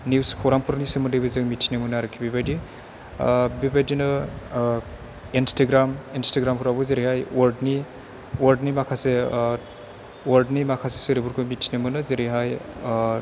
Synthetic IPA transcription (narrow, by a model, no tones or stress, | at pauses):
niwskʰɔwɾaŋpuɾnisɯmɯdɯjbezɯkmitʰinimɯnaɾɯkʰːibibajdi | bibajdinɯ | instaɡɾaminstaɡɾamkuɾabɯzeɾihajwaldni | waɾdnimakʰase | waldnimakʰase̥sɯɾibuɾkɯmitʰinimɯnɯzeɾiɦaj